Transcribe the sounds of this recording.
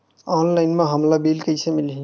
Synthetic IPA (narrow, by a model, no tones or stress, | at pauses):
ɔnlaɪnmeɦəmlabilkəɪsemilɦi